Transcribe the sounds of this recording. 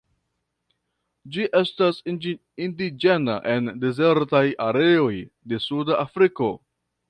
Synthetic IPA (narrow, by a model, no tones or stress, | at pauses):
d͡ʒiʔe̞stas | indid͡ʒe̞na̰ʔe̞nde̞ze̞ɾtajaɾe̞o̞j | de̞sudaʔːfɾiko̞